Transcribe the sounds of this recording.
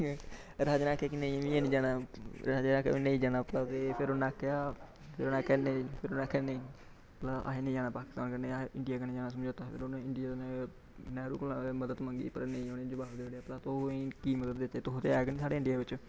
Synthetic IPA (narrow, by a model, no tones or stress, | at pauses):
ɾaːd͡ʒnaːkɛːkɪnẽĩːəʋĩːeːnĩːd͡ʒaːnaːɾaːd͡ʒnaːkɛ̰iːnə̃ĩːd͡ʒaːnaːplaːt̪epʰɪɾoːnaːkjaː | pʰɪɾoːnãːkɛneːpʰɪɾoːnãːkɛneː | plaːa̰ːɦeːnẽd͡ʒaːnãːpaːkɪ̥st̪aːnkəneːɪɳɖɪjaːkəneːd͡ʒaːnaːsəmd͡ʒoːt̪aːpʰɪ̰ɾonːɪɳɖɪjaːt̪ːnɛ̃ː | nɛːɾṵːklaməd̪əd̪mə̃ŋɡḭːpə̰ɾnẽĩːoːnẽːd͡ʒʊbaːbd̪eːəɽejaːplaːt̪õkiːməd̪əd̪ːeːt͡ʃeːt̪oɦt̪eːaːɡnĩːsaːɽeːɪ̃ɳɖijaːʋɪt͡ʃ